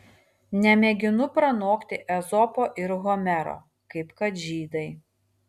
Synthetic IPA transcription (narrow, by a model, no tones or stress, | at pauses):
nʲɛmʲeːɡʲɪnʊpɾɐnoːkt̪ʲɪʔɛzɔpoːʔɪɾɣɔmʲɛɾo̰ː | kɐɪpkɐt̪ʒʲiːd̪ɐɪ